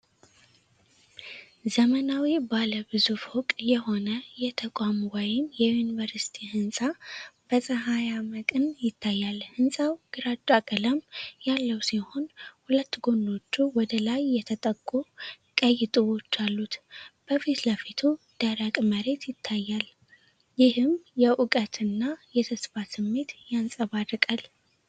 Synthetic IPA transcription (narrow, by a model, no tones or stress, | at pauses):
zəmənawibaləbɨzufhɔkʼjɛho̞nəjɛt̪ʰəkʼamɡajɪnjɛjunivəɾsi̥t̪ʰihɨnsʼab̥əsʼəɦajaməkʼɨnjɪt̪ʰːajːalhɨnsʼawɡ̥ɨɾad͡ʒʼakʼələmjalːəwsiho̞nhulət̪ːɡo̞nːo̞t͡ʃːuwɔd̪əlajːɛt̪ʰət̪ʼəɡʼːu | kʼəjːɪt̪ʼɨwo̞t͡ʃːalːut̪b̥əfit̪ləfit̪ʰu | d̪̥əɾakʼməɾe̞t̪ʰjɪt̪ʰːajːal | jɪhɨmjɛʔukʼət̪ʰɨnːajɛt̪ʰəsfasɨmːe̞t̪jansʼəβadɨkʼal